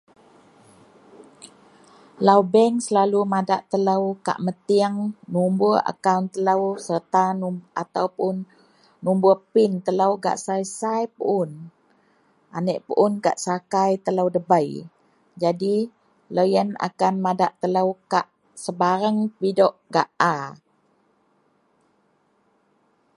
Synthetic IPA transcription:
lawbɛŋsəlalumadaʔt̪ələwka̰ʔmət̪iaŋnumbua̰kawnt̪ːələwsərt̪anʔat̪awpʊnː | umbupɪnt̪ələwɡa̰ʔsajsajpəʔʊn | ʔanəʔpəʔunka̰ʔsakajt̪ələwdəbəj | d͡ʒadi | lojəna̰kanmadaʔt̪ələwkaʔ | səbaɾaŋpidɔʔɡaʔa

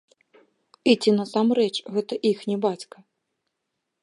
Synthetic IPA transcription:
it͡sʲinɐsamɾɛt͡ʂɣɛt̪ɐʔixnʲɛbat͡sʲkɐ

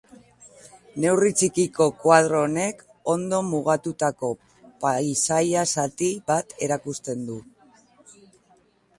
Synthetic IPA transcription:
ne̞writ͡sikiko̞kwað̞ɾoːne̞k | o̞nd̪o̞muɣ̞at̪ut̪ako̞ | pajsajasat̪iβat̪e̞ɾakust̪e̞nd̪u

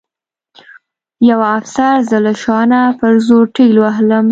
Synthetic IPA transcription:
jawafsaɾzəlaʃɑnapəɾzoʈiɡlwaɦləm

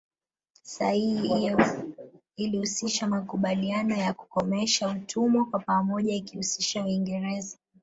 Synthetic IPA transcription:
sa̰hi | ilihusiʃamakuɓalianɔjaku̥kɔmɛʃautʰumɔkwapamɔʄaikihusiʃawiŋɡɛɾɛza

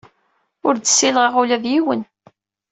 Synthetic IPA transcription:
ʊɾd̪əsːilʁəʁulæðjiwən

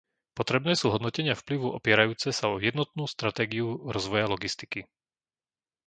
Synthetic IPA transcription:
pɔt̪ɾɛbnɛːsuːɦɔd̪nɔcɛɲɪafpliʋuʔɔpɪɛɾajuːt͡sɛsaɔjɛd̪nɔt̪̚nuːst̪ɾat̪ɛːɡiuɾɔzʋɔjalɔɡist̪i̥ki

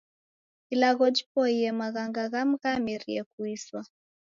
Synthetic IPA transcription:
ilaɣɔd͡ʒipɔiɛmaɣaŋɡaɣam̩ɣamiɾiɛkuiswa

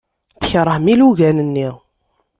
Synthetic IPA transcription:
θə̥çɾˤəhmiluʝænənːi

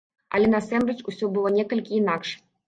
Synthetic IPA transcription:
ɐ̰lʲɛnasɛmɾɨt͡ʂusʲɔbɨlˠɔnʲɛkɐlʲkʲiːnakʂ

